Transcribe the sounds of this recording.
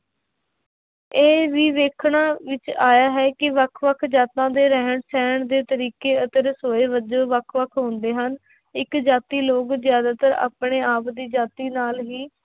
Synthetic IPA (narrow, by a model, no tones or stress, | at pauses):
eːʋiːʋeːkʰɽaːʋɪt͡ʃaːjaːɦɛːkɪʋəkʰʋəkʰd͡ʒaːt̪ãːd̪eːɾɛɦəɳsɛːɳd̪eːt̪əɾiːkeːət̪əɾəsoːeːʋəd͡ʒoːʋəkʰʋəkʰɦõnd̪eːɦən | ɪkd͡ʒaːt̪iːloːɡzjaːd̪aːt̪əɾa̰ːpɳeːaːpd̪iːd͡ʒaːt̪iːnaːlɦiː